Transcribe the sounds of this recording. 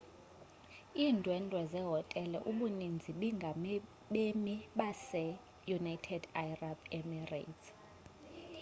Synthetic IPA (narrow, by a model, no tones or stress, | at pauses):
iːndʱwɛndʱwɛzɛɦɔtʼɛlɛʔuɓunind͡zʱiɓiŋɡʱam | ɓemiɓasɛ | junaitʰɛdajrabɛmɛra̰tʰ